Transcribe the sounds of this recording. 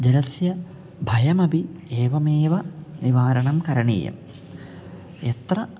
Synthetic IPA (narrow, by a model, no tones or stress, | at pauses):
d͡ʑelɐsjɐ | bʱɐjɐmɐbʱieːʋɐmeːʋɐniʋaːɾɐɳɐmkɐɾɐɳḭːjɐ̰m | et̪rɐ